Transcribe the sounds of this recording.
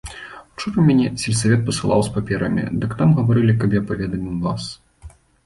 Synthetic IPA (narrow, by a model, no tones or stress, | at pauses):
wt͡ʂɔɾɐmmʲanʲɛsʲɛlʲsavʲɛt̪̚pɐsɨlˠa̰wspapʲɛɾɐmʲḭd̪ɨkt̪amɣɐvaɾɨlʲikabjapɐvʲɛd̪ɐmʲɛmvas